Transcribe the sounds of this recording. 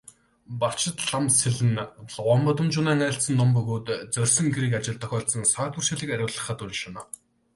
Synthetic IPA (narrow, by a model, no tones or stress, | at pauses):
par̥t͡ɕɪ̆t̪ɮamseɮɘ̆nɮʁɔːmpɔt̪ɞ̆mt͡ɕʊːnæːŋæ̆ːɬt͡sə̆nːɔmpɵɣoːt̪t͡sœrʲsɞ̆ŋɡeɾiːkat͡ɕɪ̆ɮt̪ʰːœxʲɔːɬsə̆nsœːt̪ur̥ʃiːɮɘ̆kaɾʲʊːɮə̆χə̆t̪uɾʲɪ̆ʃɔnɔː